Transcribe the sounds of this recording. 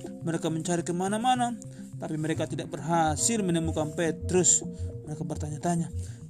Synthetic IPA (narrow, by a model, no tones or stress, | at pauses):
mɛɾɛkamɛɲt͡ʃaɾikɛmanamana | t̪apimɛɾɛkat̪idaʔ̚bɛrɦasilmɛnɛmukampɛt̪ɾusmɛɾekabɛrt̪aɲat̪aɲa